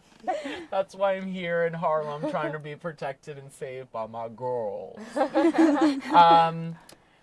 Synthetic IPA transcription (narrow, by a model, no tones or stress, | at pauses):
ðætswaɪãɪ̃mɦiɹɨ̃nɦɑɹmãɪ̃mtʰɹ̥aɪɪ̃ŋtʰɨbipʰɹ̥ɨtʰɛk̚tɨɾɨ̃nseɪvbaɪmaɪɡɜ˞lˠz̥ | ʌ̃m